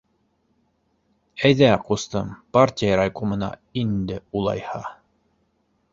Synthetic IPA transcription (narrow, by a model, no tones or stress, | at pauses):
æjðæqust̪ɤmparʲtʲijəɾajkomɤ̆nɑ̰ind̪ɘulˠɑ̰jhɑ